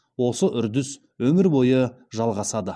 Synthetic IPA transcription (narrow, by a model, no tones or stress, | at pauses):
wo̞səʔʏɾd̪ɪs | wɵmɪɾbo̞jə | ʒɑlˠʁɑsɑd̪ə